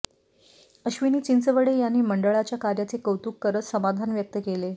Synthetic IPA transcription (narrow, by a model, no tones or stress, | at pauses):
əɕʋiniːt͡ɕint͡səʋəɽejanːiːməɳɖəɭat͡ɕjakaɾjat͡sekəwt̪uːkːəɾət͡ssəmad̪ʱanʋjək̚t̪əkele